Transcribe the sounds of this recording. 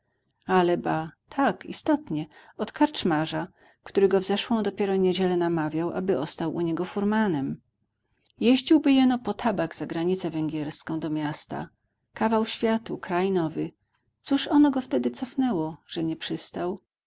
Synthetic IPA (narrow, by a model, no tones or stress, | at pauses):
alɛbat̪ʰakḭst̪ɔt̪ɲɛɔt̪kaɾt͡ʂmaʐa | kt̪uɾɘɡɔvzɛʂwɔ̃w̃d̪ɔpʲjɛɾɔɲed͡ʑɛlɛnamavʲjawʔa̰bɘʔɔst̪awʔṵɲɛɡɔfuɾmanɛm | jeʑd͡ʑiwbɘjɛnɔpɔt̪ʰabaɡz̥aɡɾaɲit̪sɛvɛŋɡʲjɛɾskɔ̃w̃d̪ɔmʲjast̪a̰ | kavawɕfʲjat̪ukɾajnɔvɘ | t̪suʂɔnɔɡɔft̪ɛd̪ɘt̪sɔfnɛwɔʐ̥ɛɲɛpʂɘst̪aw